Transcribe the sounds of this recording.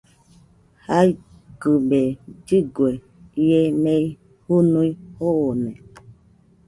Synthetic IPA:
hai | ɡɨbed͡ʒiɡwe | jemej | hunũihoonɛ

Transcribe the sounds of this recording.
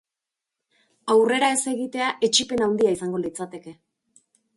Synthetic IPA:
awre̞ɾae̞se̞ɣit̪e̞aʔe̞t͡ʃipe̞nawnd̪iaisaŋɡolit͡sat̪e̞ke̞

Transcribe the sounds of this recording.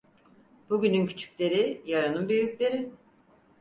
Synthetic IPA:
b̥uɟynyncʰy̥t͡ʃʰy̥cʲlʲe̞ɾijaɾanɯnbyjycʲlʲe̞ɾɪ

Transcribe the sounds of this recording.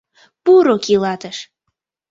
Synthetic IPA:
puɾokilɑt̪əʃ

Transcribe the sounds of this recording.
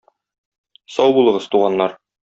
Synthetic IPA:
sɒwbulˠɤ̆ʁɤzt̪uʁɑnːɑɾ

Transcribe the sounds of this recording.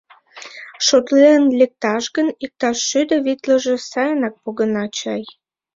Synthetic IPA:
ʃot̪lenlek̚t̪ɑʃɣənik̚t̪ɑʃːyd̪ə̆βit̪lə̆ʒĕsɑjənɑk̚poɣənɑt͡ɕɑj

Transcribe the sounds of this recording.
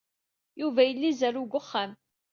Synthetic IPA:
juvæjəlːizæɾuɡʷʊχːam

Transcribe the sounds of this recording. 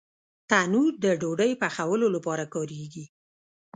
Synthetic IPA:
t̪anud̪əɖoɖəjpaxawəlolapɑɾakɑɾeɡi

